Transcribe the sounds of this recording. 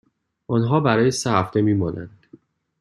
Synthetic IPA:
ʔɒnɦɒːbæɾɒːjesehæft̪e̞miːmɒːnʔæ̰nd̪̥

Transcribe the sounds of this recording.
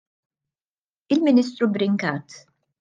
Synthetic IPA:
ɪlmɪniːs̬t̪ɾubɾɪŋkɐːt̪

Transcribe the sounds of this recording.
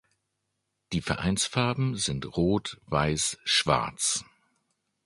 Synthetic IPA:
d̥iːfɛɐʔa̰ɪnsfaɐbm̩zɪntʁoːtv̥aɪsʃv̥a̰ɐt͡s

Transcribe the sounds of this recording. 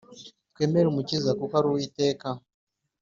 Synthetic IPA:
t̚kweːmeɾumucizakukaɾuwite̞ːka

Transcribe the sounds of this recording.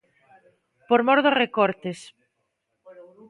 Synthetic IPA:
poɾmɔɾðorekɔɾt̪es

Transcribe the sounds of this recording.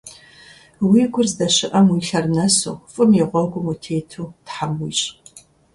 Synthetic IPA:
wiːɡʷʊrzdɐɕɪʔɐmwiːɬɐrnɐsṵːfʼɨmjɛʁʷɔwɡʷʊmutʰeːtʰuːtħamwiːɕʼ

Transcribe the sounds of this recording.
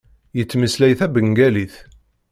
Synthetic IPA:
jət͡sːməslæjθæbəŋɡæliθ

